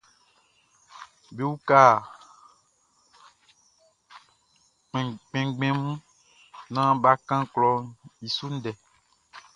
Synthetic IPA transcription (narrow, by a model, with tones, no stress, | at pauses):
be˦wu˦ka˦˨ | k͡pɛ̃˨k͡pɛ̃˨ɡ͡bɛ̃˦mũ˦ | nã˦ba˦kã˦klɔ˦i˨su˦n̩˦dɛ˨